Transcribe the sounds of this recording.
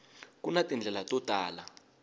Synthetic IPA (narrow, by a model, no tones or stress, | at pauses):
kunatʼind͡ɮʱɛlatʼɔtʼaːla